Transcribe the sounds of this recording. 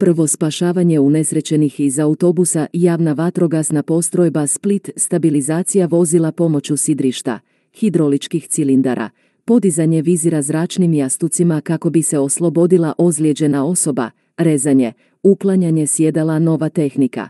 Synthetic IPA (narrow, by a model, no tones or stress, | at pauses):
pr̩ʋo̞spaʃaːʋaɲe̞une̞sɾe̞t͡ɕe̞nixizaut̪o̞busajaːʋnaʋat̪ɾo̞ɡasnapo̞st̪ɾo̞jbasplit̪st̪abilizaːt̪sijaʋo̞zilˠapo̞mo̞t͡ɕusid̪ɾiʃt̪a̰ | xid̪ɾo̞lit͡ʃkixt̪silind̪a̰ɾʔa̰ | po̞d̪izaɲe̞ʋiziɾazɾaːt͡ʃnimjast̪ut̪simakako̞bise̞o̞slˠo̞bo̞d̪ilˠaʔo̞zlje̞d͡ʑe̞nao̞so̞ba̰ | ɾe̞zaɲe̞ | uklˠaɲaɲe̞sje̞d̪alˠano̞ʋat̪e̞xnika̰